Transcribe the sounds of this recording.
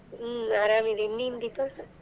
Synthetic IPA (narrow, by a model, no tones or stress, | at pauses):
aːɾaːmiɾenːind̪ipa